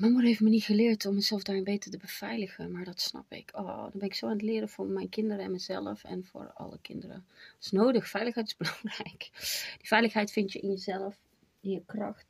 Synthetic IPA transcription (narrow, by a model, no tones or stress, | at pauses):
mamurɦeftmənitxəlɪːɹtʰɔmːəzɛlˠfdaːɹɪnbejtətəbəv̥ɛjləxənmaːɹdɑtsnɑ̰pɪ̰kʰo̰dɔ̰nbɛnɪksoaːnətlɪːɾəvʊːɹmɛjnkɪndəɾəɛnməzɛ̰lˠəfɛ̰nvʊ̰ːɹɑ̰lə̰kɪ̰ndərə̰dəsnoːdəxfɛjləxɦɛjtɪ̥zbəlɑŋrɛjkd̥ivɛjləxɦɛjtfɪntjəʔɪnjəzɛlˠəf | ɪnjəkrɑ̰xt